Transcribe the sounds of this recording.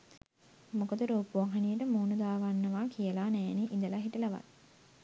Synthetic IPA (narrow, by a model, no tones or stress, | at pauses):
mokod̪əɾoːpuʋaŋɦanijəʈəmoːnud̪aːʋanːəʋaːkijəlaːnæːneʔind̪əlaɦiʈəlaʋa̰t̪